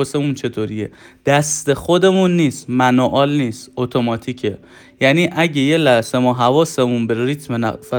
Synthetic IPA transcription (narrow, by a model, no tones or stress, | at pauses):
osemunt͡ʃʰe̞t̪ʰoɾiːjḛ | d̪̥æst̪e̞xod̪e̞munːiːst̪mænɔʔɒːlniːst̪ot̪ʰomɒːt̪ʰiːcʰe̞ | jæniːʔæɟejelæhse̞mɔːɦævɒːse̞munbeɾit̪ʰmenæ̰fæ